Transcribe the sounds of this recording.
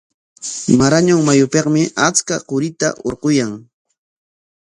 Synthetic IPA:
maɾaɲʊŋmajʊpeqmɪʔat͡skaqʊɾɪt̪a̰ʔoɾqʊjaŋ

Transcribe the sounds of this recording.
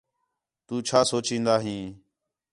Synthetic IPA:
t̪uːt͡ʃʰaːsoːt͡ʃĩːnd̪aːɦĩː

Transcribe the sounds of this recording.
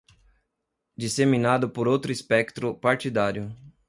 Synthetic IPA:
d͡ʒisemĩnad̪ʊpoɾowt̪ɾʊispɛkt̪ɾʊpaɾt͡ʃ̪id̪aɾjʊ

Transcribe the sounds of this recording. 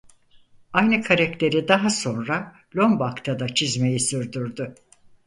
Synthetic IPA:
ajnɯkʰaɾakt̪ʰe̞ɾid̪aɦaso̞nɾa | lʲo̞mbakt̪ʰad̪at͡ʃʰizme̞jisyɾd̪yɾd̪ʊ

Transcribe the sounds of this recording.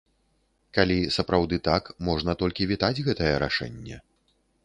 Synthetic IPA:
kalʲisɐpɾawd̪ɨt̪akmɔʐnɐt̪ɔlʲkʲivʲit̪ad͡zʲɣɛt̪ɐjɐɾa̰ʂɛ̰nʲːɛ̰

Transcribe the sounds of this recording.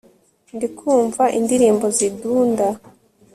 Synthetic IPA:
ndikʰuːɱvaʔindiɾiːmbo̞ziduːnda

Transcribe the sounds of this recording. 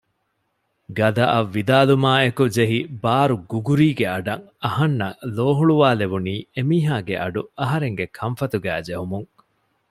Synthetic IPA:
ɡɐd̪ɐʔɐʋːid̪aːlumaːekud͡ʒeɦibaːɾuɡuɡuɾiːɡeɐɖɐŋɐhɐnːɐloːɦuɭuʋaːleʋuniːemiːɦaːɡeʔɐɖuɐɦɐɾeŋɡekʰɐmfɐt̪uɡæːd͡ʒeɦumuŋ

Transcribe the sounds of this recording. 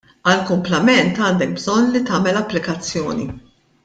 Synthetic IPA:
ɐlkʊmplɐmɛnt̪ɐːnd̪ɛk̚bzɔnlit̪ɐːmɛlɐpːlɪkɐt͡sːjɔ̰ːnḭ

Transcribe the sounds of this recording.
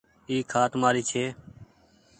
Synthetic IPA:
iːkʰaːt̪maːɾiːt͡ʃʰeː

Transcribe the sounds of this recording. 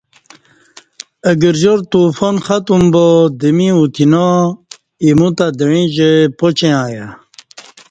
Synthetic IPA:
əɡəɾʑoɾt̪ufonχat̪umbod̪əmiut̪ino | imut̪ad̪əɻĩʑəpot͡ɕẽãːja

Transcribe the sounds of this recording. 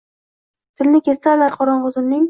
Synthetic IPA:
t̪ʰɪlnɪkʲʰessalaɾqʰɒɾɒɴqʊzɪnnɪŋ

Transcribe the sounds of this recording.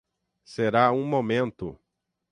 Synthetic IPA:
seɾaũmomẽnt̪ʊ

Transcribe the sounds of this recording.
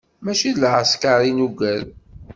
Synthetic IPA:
mæʃilʕəskaɾˤinuɡæl

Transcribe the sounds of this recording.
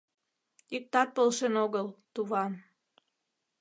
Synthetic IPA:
ik̚t̪ɑt̪̚polʃenoɣəlt̪uβɑn

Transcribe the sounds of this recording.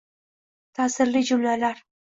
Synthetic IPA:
t̪ʰasɪɾlːid͡ʒʊmlalaɾ

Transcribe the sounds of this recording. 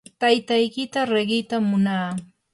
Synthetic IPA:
t̪ajt̪ajkɪt̪aɾeɢɪjt̪amːʊnaː

